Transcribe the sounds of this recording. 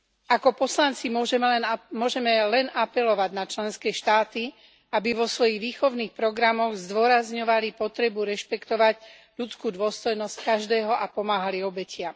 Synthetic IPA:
akɔpɔslant͡simʊɔʒɛmɛlɛnmʊɔʒɛmɛlɛnʔapɛlɔʋaɟnat͡ʃlɛnskɛːʃt̪aːt̪i | abiʋɔsʋɔjiɣʋiːxɔʊniːxpɾɔɡɾamɔɣzd̪ʊɔɾazɲɔʋalipɔt̪ɾɛbuɾɛʃpɛkt̪ɔʋaɟ | ʎut͡skuːd̪ʊɔst̪ɔjnɔsckaʒd̪ɛːɦɔʔapɔmaːɦaliɔbɛcɪam

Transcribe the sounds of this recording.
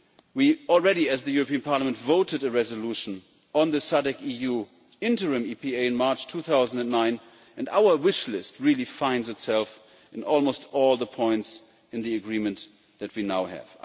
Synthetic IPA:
wiɔl̩ˠɹɛɾiɨzðɨjʊɹɨpiɨ̃npʰɑɹləmɨ̃ntvoʊɾɨɾɨɹɛzəluʃn̩ | ə̃nðɨsaɾɨkiju | ɪ̃ntə˞ɨ̃mipieɪɨ̃nmɑɹt͡ʃtʰuθaʊzn̩dɨ̃nnãɪ̃n | ɨ̃nda̰ʊə˞wɪʃlɪst̚ɹilˠifãɪ̃ndzɨtsɛlˠf | ɨ̃nɔlˠmoʊstɔlˠðəpʰɔ̃ɪ̃nts | ɨ̃nðiɨɡɹĩmɨ̃n | ðɨt̚winaʊɨ̰v̥

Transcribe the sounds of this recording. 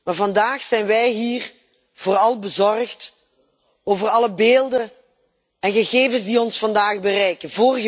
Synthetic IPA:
maːvɑndaːxsɛjnʋɛjɦiːr | v̥ʊːrɑlˠbəzɔrχt | oːvərɑləbeːlˠdən | ɛnɣəɣeːvənzdiɔnsfɑndaːχbərɛjkənvoːrɣə

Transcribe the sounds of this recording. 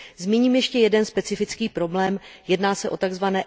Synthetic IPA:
zmiɲiːmjɛʃcɛjɛdɛnspɛt͡sɪfɪt͡skiːpɾo̞blɛːmjɛdnaːsɛʔo̞t̪aɡzvanɛː

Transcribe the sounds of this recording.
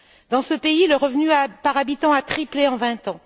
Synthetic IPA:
d̪̥ɑ̃səpeiləʁəvnyapaʁabit̪ɑ̃at̪χipleɑ̃vɛ̃t̪ɑ̃

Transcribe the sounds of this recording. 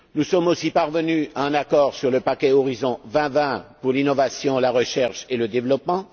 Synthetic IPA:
nusɔmosipaʁvənyaɛ̃nakɔʁsyʁləpakʲɛɔʁizɔ̃vɛ̃vɛ̃puʁlinɔvasjɔ̃laʁəʃɛʁʃeləd̪evlɔpmɑ̃

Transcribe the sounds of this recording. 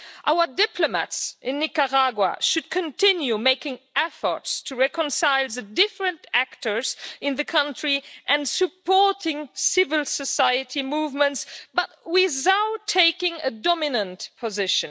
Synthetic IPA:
ʔaʊə˞dɪpʰləma̰tsʔɪ̃nːɪkəɹaɡwa̰ʃɨd̚kʰə̃ntɪ̃njumeɪkɪ̃ŋʔɛfə̰˞tstʰɨɹɛkə̃nsaɪlˠðɨdɪfɹə̃ntæktə˞zɨ̃nðɨkʰʌ̃ntɹ̥iʔɨ̃nsɨpɔɹtɪ̃ŋsɪvəlˠsəsaɪɨtimuvmə̃ntsb̥ʌt̚wɪðaʊtʰːeɪkɪ̃ŋədɔmɪnə̃ntpʰəzɪʃɨ̃n

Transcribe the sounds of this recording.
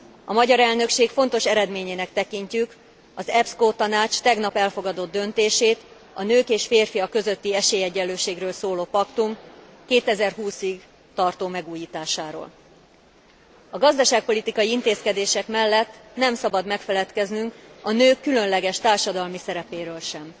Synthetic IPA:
ɒmɒɟɒɾɛlnø̞kʃeːkfo̞nt̪o̞ʃɛɾɛd̪meːɲeːnɛkt̪ɛkiɲcyk | ɒzɛpskoːt̪ɒnaːt͡ʃt̪ɛɡnɒpɛlfo̞ɡɒd̪o̞d̪ːø̞nt̪eːʃeːt̪ | ɒnøːkeːʃfeːrfijɒkøzø̞t̪ːiɛʃeːjɛɟːɛlːøːʃeːɡrøːlsoːloːpɒkt̪umkeːt̪ɛzɛrɦuːsiɡ | t̪ɒrt̪oːmɛɡuːjiːt̪aːʃaːɾo̰ːl | ɒɡɒzd̪ɒʃaːk̚po̞lit̪ikɒjiint̪eːskɛd̪eːʃɛkmɛlːɛt̪ːnɛmsɒbɒd̪mɛkfɛlɛt̪kɛznyŋkɒnøːkːylø̞nlɛɡɛʃt̪aːrʃɒd̪ɒlmisɛɾɛpeːɾøːlʃɛm

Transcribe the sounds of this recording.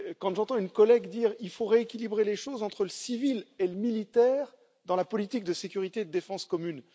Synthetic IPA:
kɑ̃ʒɑ̃t̪ɑ̃ynkɔlɛɡd̪iːʁilfoʁeekʲilibʁeleʃozɑ̃t̪χələsivileləmilit̪ɛːʁ | d̪ɑ̃lapɔlit̪ik̚d̪əsekʲyʁit̪ed̪əd̪efɑ̃skɔmyn

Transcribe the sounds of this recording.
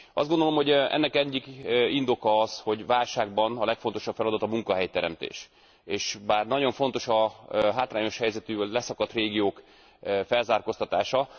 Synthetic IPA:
ɒ̰zd̪ɡond̪olo̞mho̞ɟɛ̰nːɛkɛɟːikind̪o̞kɒɒzho̞ɟvaːlʃaːɡbɒnɒlɛkfo̞n̪t̪o̞ʃɒpfɛlɒd̪ɒt̪ɒmuŋkɒɦɛjt̪ɛɾɛ̰mt̪ḛːʃ | eːʃbaːrnɒɟo̞ɱfo̞n̪t̪o̞ʃɒɦaːt̪raːɲo̞ʃhɛjzɛt̪yːvɒɟlɛsɒkɒt̪reːɡijoːk | fɛlzaːrko̞st̪ɒt̪a̰ːʃɒ

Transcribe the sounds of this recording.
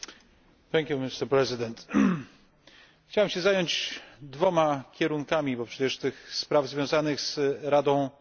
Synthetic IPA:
θɛŋkʲjumist̪ɛɾpɾɛzɨd̪ɛnt̪ | xt͡ɕawɛmɕɛzajɔɲd͡ʑd̪vɔmakʲɛɾuŋkamʲibɔpʂɛt͡ɕɛʂt̪ɘxspɾavzvʲjɔ̃w̃zanɘxz̥ɾad̪ɔ̃w̃

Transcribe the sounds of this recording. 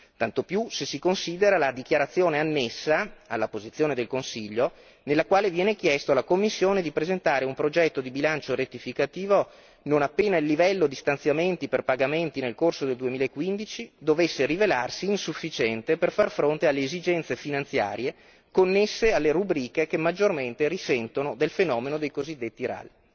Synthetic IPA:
t̪ant̪opjusesikonsiːd̪eɾalad̪ik̟jaɾat̪sːjoːneanːesːaa̰lːapozit̪sjoːned̪elkonsiʎːo | nelːakwaːlevjɛːnek̟jɛst̪oalakomːisːjoːned̪ipɾezent̪aːɾeumpɾod͡ʒɛt̪ːod̪ibilant͡ʃoɾet̪ːifikat̪iːvo | nonapːeːnailːivɛlːod̪ist̪ant̪sjament̪iperpaɡament̪inelkorsod̪eld̪uemiːlaekːwind̪it͡ʃid̪ovesːerivelarsiːnsufːit͡ʃɛnt̪eperfarfɾont̪ealːeːzid͡ʒɛnt̪sefinant̪sja̰ːɾje | konːesːealːeɾubɾiːkekemːad͡ʒːorment̪erisɛnt̪onod̪elfenɔːmenod̪ejkozid̪ːet̪ːiɾa̰li

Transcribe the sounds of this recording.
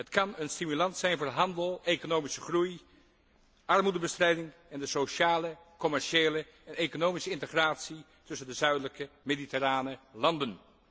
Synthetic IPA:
ɦətkɑnənstimylɑntssɛjnvʊːɦɑndəlˠekonowmisəχruj | ʔɑɹmudəbəstrɛjdɪŋɛndəsoʃaːlə | kɔmɛɹʃeːlə | ɛnejkonowmisəɪntəχraːtsi | tɵsəndəzœɥdələkəmeditəraːnəlɑndən

